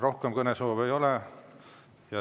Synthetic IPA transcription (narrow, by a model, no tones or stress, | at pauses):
ro̞hkemkɤnesoːvejo̞le | jɑ